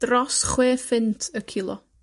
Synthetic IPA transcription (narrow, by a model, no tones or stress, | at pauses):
d̥rɔsχweːfɪntʰəkʰɪlˠɔ̰